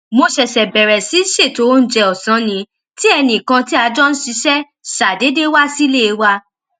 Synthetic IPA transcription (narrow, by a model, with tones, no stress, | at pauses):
mo˧ʃɛ˨ʃɛ˨bɛ˨ɾɛ˨si˨˦ʃe˦˨to˨˦˧n̩˦d͡ʒɛ˧ɔ˨sã˨˦nĩ˨˦ | ti˦ɛ˧nĩ˨kã˧ti˦a˧d͡ʒɔ˦n̩˦ʃi˧˦ʃɛ˦ | ʃa˨de˨˦de˦wa˦si˦le˦˨˧wa˧